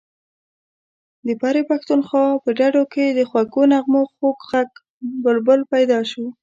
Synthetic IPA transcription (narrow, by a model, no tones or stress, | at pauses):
d̪əpɑɾepaxt̪unxɑpəɖaɖoked̪əxwakonaɣmoxokɣak | bəlbəlpajd̪ɑʃo